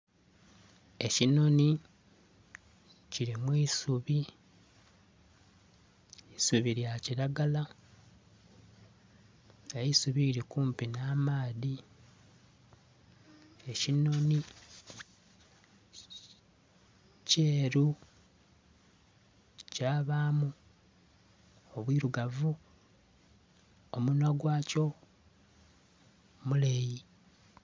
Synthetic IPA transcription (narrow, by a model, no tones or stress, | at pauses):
e̞cino̞ni | ciɾimwiːsuβi | isuβiɾjaciɾaɡala | eisuβiːɾikuːmpinaːmaːði | e̞cinoni | ceːɾu | caːβamu | oβwiːɾuɡavu | omunaɡwaːco̞ | muleji